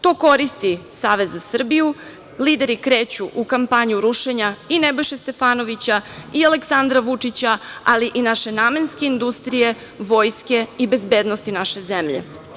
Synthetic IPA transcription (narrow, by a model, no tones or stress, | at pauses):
t̪o̞ːko̞ɾist̪isaːʋezːasr̩biju | liːd̪e̞ɾikɾe̞ːt͡ɕuʔukampaɲuɾuʃe̞ɲainebo̞jʃest̪e̞faːno̞ʋit͡ɕaiale̞ksand̪ɾaʋut͡ʂit͡ɕaaliʔinaʃe̞naːmenske̞ind̪ust̪ɾije̞ | ʋo̞ːjske̞ibe̞zbe̞ːd̪nost̪inaʃe̞zemʎḛ